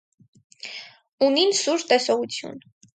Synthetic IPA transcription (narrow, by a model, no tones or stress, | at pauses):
uninsuɾt̪ɛsɔʁut͡sʰjṵn